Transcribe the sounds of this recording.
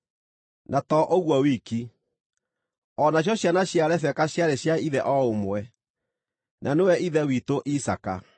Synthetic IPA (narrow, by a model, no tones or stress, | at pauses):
nʔatɔʔoɣwɔwiki | ɔnaɕ̬jɔɕjanaɕjaɾɛfɛkaɕjaɾeɕjaiðɛʔɔomwɛ | nʔanewɛiðɛwitoʔisaka